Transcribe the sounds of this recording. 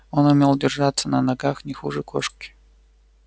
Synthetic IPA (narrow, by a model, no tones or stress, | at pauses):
o̞nʊmʲe̞lˠdʲɪrʐat̪sənənɐɡaxnʲɪxuʐɨkoʂkʲɪ̥